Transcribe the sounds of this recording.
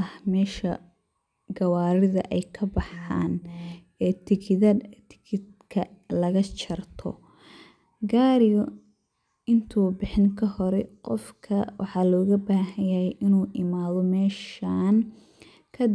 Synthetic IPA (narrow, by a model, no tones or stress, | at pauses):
ɐhmɛːʃɐ | ɡɐwaːɾɪðɐʔɛjkʰɐbɑħa̰ːn | ɛːt̪ʰɪkʰɪðɐt̪ʰɪ̥kʰɪd̪ | kʰɐlɐɣɐt͡ʃʰɐrt̪ʰɔ̰ | ɡaːɾɪjɔ | ɪnt̪ʰuːbɪħɪŋkʰɐɦɔɾɛqɔ̰fkʰɐwʔɑħɑːlɔːɣɐbaːɦɐjjɐhɛjʔɪnuːʔɪmaːðɔmɛːʃaːn | kʰɐ